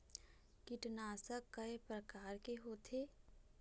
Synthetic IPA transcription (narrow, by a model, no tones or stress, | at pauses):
kɪʈnaːsəkːəepɾəkaːɾkeɦoːt̪ʰeː